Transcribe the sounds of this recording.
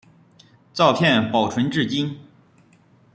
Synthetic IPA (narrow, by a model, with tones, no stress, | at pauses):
t͡sɑ˥˧ʊpʰjɛ˥˩npɑ˨˩ʊʈ͡ʂʰwə˧˥nʈ͡ʂɻ̩˥˩t͡ɕi˥n